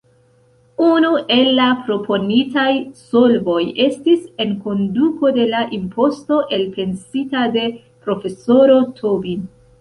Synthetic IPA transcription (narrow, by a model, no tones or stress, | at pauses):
unuʔe̞lːapɾo̞pʰo̞nitajso̞lbo̞je̞stise̞nko̞nduko̞de̞laʔimpo̞sto̞ʔe̞lpʰe̞nsitade̞ | pɾo̞fe̞so̞ɾo̞tʰobin